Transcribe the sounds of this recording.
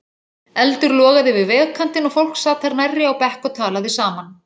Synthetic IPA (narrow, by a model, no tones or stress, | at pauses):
ɛlt̪ʏɾlɔːɣaðɪvɪðvɛːɣkʰan̥t̪ɪnɔɣfowl̥ksaːt̪ʰaɾnajrːɪawpɛhkɔt̪ʰaːlaðɪsaːman